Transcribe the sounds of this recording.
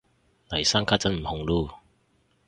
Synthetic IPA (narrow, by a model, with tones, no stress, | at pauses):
nɐ˨˩jsaː˥ŋkʰaː˥t͡sɐ˨˥nm̩˨˩hʊ˨ŋluː˧˩